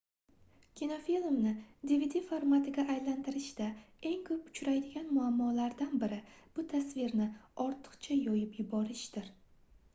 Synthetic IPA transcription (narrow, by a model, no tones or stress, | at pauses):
kʲʰinofilˠmnɪd̪ivid̪ʲifoɾmat̪ʰɪɡʲaʔːjlant̪ʰɪɾɪʃd̪ae̞ŋkʰɵpʊt͡ʃɾajd̪ɪɡʲanmʊamːɒlaɾd̪anbɪɾɪb̥ʊt̪ʰasvɪɾnɪɒɾt̪ʰɨ̥qt͡ʃʰajɒjɪpjɪbɒɾɪʃd̪̥ɪɾ